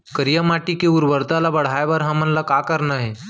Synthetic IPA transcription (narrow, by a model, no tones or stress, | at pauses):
kəɾijamaʈikeuɾʋəɾt̪alabəɽ̤ajʋəɾɦamənlakakəɾnaɦe